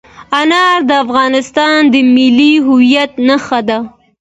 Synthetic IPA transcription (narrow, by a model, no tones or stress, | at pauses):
anɑɾd̪əafɣɑnɪst̪ɑnd̪əmɪlːiɦʊwijat̪naxad̪a